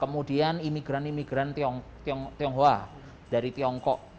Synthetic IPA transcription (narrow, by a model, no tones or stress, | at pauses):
kəmudianimiɡɾanimiɡ̥ɾant̪iɔŋ | t̪ŋt̪iɔŋɦoa | d̥aɾit̪iɔŋkɔʔ